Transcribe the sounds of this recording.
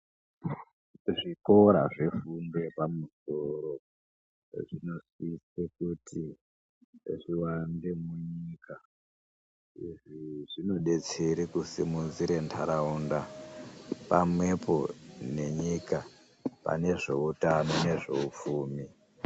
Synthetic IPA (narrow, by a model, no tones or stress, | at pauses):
ʐiko̞ɾaʐe̞funde̞pamusoɾo | ʐino̞sisekutʰi | ʐiwandemuɲika | iʐiʐino̞ɗe̞t͡seɾikusimunziɾe̞ntʰaɾaunda | pamwe̞po̞ne̞ɲika | pa̰ne̞ʐe̞utano̞ne̞ʐe̞ufuːmi